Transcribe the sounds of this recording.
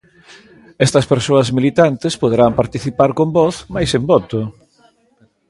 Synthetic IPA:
ɛst̪ɐspeɾsoɐzmilit̪ant̪ɪspoð̞eɾampaɾt̪iθipaɾkombɔθmajsembɔt̪ʊ

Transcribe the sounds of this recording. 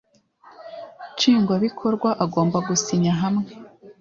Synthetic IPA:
t͡ʃiːŋɡwaβikʰo̞ɾɡwaʔaɡo̞ːmbaɡusiɲaɦamŋe

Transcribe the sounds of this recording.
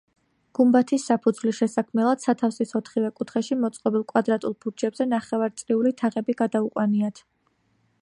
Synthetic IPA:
ɡ̥umbat̪ʰisːapʰud̪zvlisʃɛsakʰmɛlˠad̪̥sat̪ʰafsisɔt̪ʰχivɛkʼut̪ʰχɛʃimɔt̪sʼqʼɔbilˠkʼwad̪ɾat̪ʼulˠbuɾd͡ʒɛbzɛnaχɛvaɾt̪sʼɾiulit̪ʰaʁɛbiɡad̪auqʼwaniat̪ʰ

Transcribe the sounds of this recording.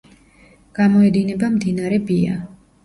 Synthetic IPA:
ɡ̥amɔɛd̪inɛbamd̪inaɾɛbia̰

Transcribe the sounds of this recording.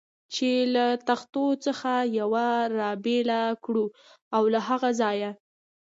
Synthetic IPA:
t͡ʃelat̪axt̪ot͡səxajawaɾɑbelakɽu | awlaɦaɣazɑja

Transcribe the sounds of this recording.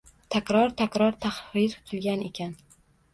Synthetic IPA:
t̪ʰakʲɾɒɾt̪ʰakʲɾɒɾt̪ʰahvɪɾʰʊ̥t̪ʰɪlɡʲane̞kʲʰan

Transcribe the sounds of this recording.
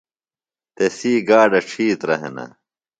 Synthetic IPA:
t̪esiːɡaːɖɐʈ͡ʂʰiːt̪ɾɐɦḛnɐ̰

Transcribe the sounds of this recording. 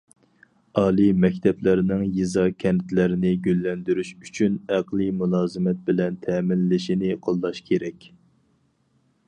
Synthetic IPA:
ɑːlˠimɛkʲt̪ʰɛplɪɾɪnɪŋjizɑkʲʰɛnt̪ʰlɪɾɪnɪɡʲølːɛnd̪yɾyʃy̥t͡ʃʰynæqlˠimulˠɑːzɨmɛt̪̚bɪlɛnt̪ʰɛːmɪlːɪʃinɪqʰolˠːɑʃkʲʰeɾɛkʲ

